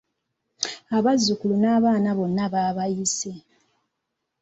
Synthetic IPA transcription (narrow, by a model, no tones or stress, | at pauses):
aβazːukulunaːβaːnaβo̞nːaβaːβajise